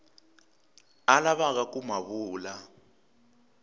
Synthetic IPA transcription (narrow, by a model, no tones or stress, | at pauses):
alaβaɣ̬akumaβuːla